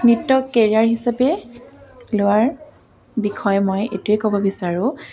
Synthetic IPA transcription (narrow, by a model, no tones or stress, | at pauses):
nitːɔkeɹiaɹɦisapɛ | lʊwaɹ | bixʰɔjmɔjḛtʊɛkobɔbisaɹʊ̃